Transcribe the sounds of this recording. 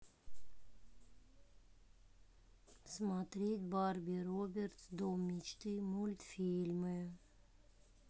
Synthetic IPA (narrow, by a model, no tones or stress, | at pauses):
smat̪ɾʲit̪ʲbaɾbʲiɾobʲeɾt̪sd̪omʲit͡ʃt̪ɨmulʲt̪fʲiːlʲməj